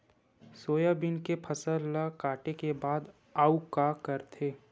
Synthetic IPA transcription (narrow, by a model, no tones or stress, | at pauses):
soːjabɪnkepʰəsəlːakaːʈekebaːd̪ | aːukakəɾt̪ʰeː